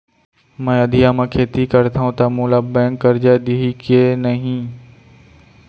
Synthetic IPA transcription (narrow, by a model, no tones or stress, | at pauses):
mɛ̃ːɐd̪ʱijamẽːkʰeːt̪ikəɾt̪ʰaːɦũt̪amũːlabɛ̃ːŋkːəɾd͡ʒad̪iɦikenɐɦĩː